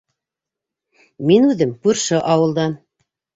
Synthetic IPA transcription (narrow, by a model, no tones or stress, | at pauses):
minʉðɘmkʉɾʃɘʔɑwɤ̆lˠd̪ɑn